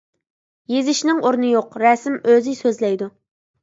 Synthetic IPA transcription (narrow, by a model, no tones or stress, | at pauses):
jezɪʃnɪŋoɾnɨjoqɾɛsɪmøzɪsøzlɛjd̪u